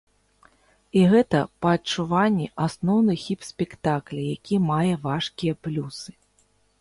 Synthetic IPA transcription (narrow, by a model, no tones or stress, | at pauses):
iɣɛt̪ɐpɐːt͡ʂuvanʲːiʔasnɔwnɨxʲipsʲpʲɛkt̪aklʲijakʲimajɛvaʂkʲijɐplʲusɨ̥